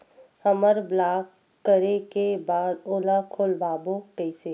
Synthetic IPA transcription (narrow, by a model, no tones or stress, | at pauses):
həməɾblaːkː | əɾekebaːd̪oːlakʰolbaːbõkəɪseː